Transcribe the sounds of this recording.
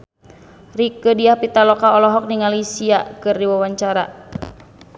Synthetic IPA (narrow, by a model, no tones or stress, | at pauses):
rikədiahpit̪alɔkaɔlɔɦɔk̚niŋalisiakɨrdiwawaɲt͡ʃaɾa̰